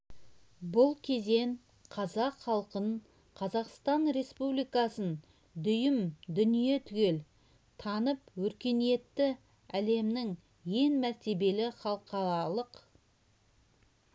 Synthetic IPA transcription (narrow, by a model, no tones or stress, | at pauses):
bʊlˠkʲʰe̞ze̞ŋ | qʰɑzɑqχɑlˠqən | qʰɑzɑqst̪ɑnɾe̞spublijkɑsən | d̪ʏjɪmd̪ʏnije̞t̪ʰʏɡʲe̞l | t̪ʰɑnəpwɵɾkʲe̞nije̞t̪ːɪ | æle̞mnɪŋ | je̞ŋmæɾt̪e̞be̞lɪχɑlˠqɑɾɑlˠəq